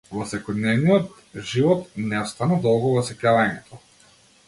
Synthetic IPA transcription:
vɔsɛkɔd̪nɛvnijɔt̪ | ʒivɔt̪nɛɔst̪anad̪ɔlˠɡɔvɔsɛkavaɲɛt̪ʰɔ

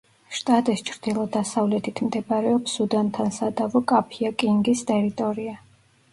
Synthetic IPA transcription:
ʃt̪ʼat̪ʼist͡ʃʰɾd̪̥ilˠɔd̪asavlɛt̪ʰit̪ʰmd̪ɛbʼɾɛɔpsud̪ant̪ʰansad̪avɔkʼapʰiakʼiŋɡist̪ʼɛɾit̪ʼɔɾia

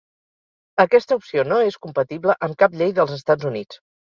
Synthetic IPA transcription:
əkɛst̪əupsionoeskumpət̪iβləʔəmkapʎejðəlˠzəst̪ad͡zunit͡s

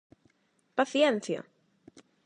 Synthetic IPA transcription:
pɐθjɛnsjɐ̰

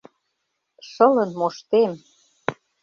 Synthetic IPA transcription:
ʃɤ̆lə̆nmoʃt̪em

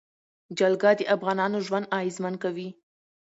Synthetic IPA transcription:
d͡ʒalɡɑd̪əʔafɣɑnɑnoʒwand̪ɑɪzmankawi

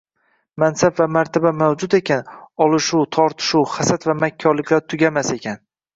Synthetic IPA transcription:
mansabvamaɾt̪ʰabamawd͡ʒʊt̪e̞kʲanɒlˠɪʃut̪ʰɒɾt̪ʰɪ̥ʃuwχasat̪vamakʲʰːɒɾlɪkʲlaɾt̪ʰʊɡʲamase̞kʲʰan

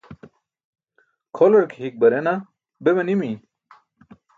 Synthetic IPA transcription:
kʰolɐɾkʰɦik̚bɐɾena | bemɐnimi

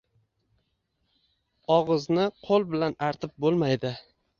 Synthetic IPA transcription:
ɒʁɨznɪqʰolˠbɪlanaɾt̪ʰɪp̚bolˠmajd̪ɪ

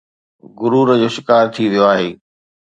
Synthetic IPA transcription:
ɡʊɾuːɾəd͡ʑoːʃɪkaːɾt̪ʰiʋijoaːɦeː

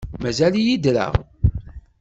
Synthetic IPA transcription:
mæzælijid̪ɾə̰ʁ

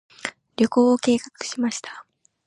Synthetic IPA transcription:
ɾʲo̞ko̞ːoke̞ːkakɯ̟̥ɕimaɕi̥t̪ḁ

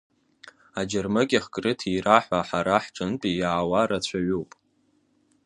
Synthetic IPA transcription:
ad͡ʒarmɨkʲʼaχkʼrɨtʰiraħʷaħaɾaħʈ͡ʂʷʼɨntʼijaʕːwaɾat͡ɕʷʰaɥuwpʼ

